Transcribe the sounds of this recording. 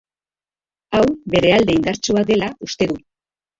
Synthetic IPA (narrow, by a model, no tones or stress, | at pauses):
awβe̞ɾe̞ald̪e̞ind̪aɾt͡ʃuad̪e̞laust̪e̞ðu